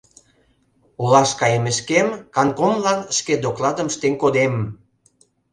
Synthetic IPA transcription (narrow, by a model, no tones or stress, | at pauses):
ulɑʃkɑjemeʃkemkɑnkomlɑnʃked̪oklɑd̪əmʃt̪eŋkod̪em